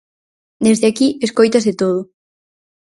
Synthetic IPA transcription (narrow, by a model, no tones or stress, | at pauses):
d̪ezðeakieskojt̪ɐzðet̪oð̞ʊ